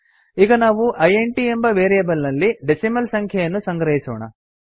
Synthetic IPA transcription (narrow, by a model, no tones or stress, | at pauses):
iːɡɐnaːʋuʔɐjeɳʈiembɐʋeːɾijɐbɐlnɐlːiɖesimɐlsɐŋkʰjɐjɐnːusɐŋɡɾɐɦisɔ̰ːɳɐ̰